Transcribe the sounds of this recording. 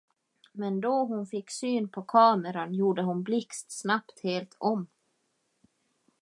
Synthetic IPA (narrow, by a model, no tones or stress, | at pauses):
mɛnd̪ɔɦʊnfɪkːsyːnpʰɔkʰɑːməɾanjuːɖəɦʊnblɪkst̪snapt̪heːlt̪ʰɔmː